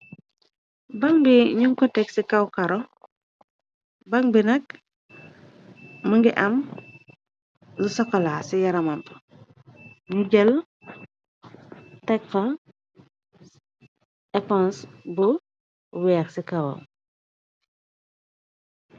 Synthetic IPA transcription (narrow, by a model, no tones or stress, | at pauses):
bɐŋbiɲuŋkɔtɛksikawkaɾɔ | bɐŋbinɐk̚ | məŋɡiʔɐm | lusɐkːɔlaːsijɐɾɐmɐmp | ɲuɟɛl | tɛk̚fɐ | ɛpɔnsbu | wɛːksikawɐ̰m